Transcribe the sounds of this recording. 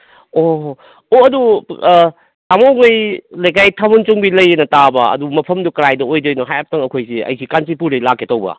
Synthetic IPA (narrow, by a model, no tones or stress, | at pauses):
o | oɐdu | tamoŋɯjlɐjkajtʰabunt͡ʃuŋbilɐjenɐtabɐɐ̰dumɐpʰɐmdukɾajdɐojdɐjnɔɦajap̚tɐŋɐkʰojsiɐ̰jsikansipuɾijlakʰːetɐwbɐ̰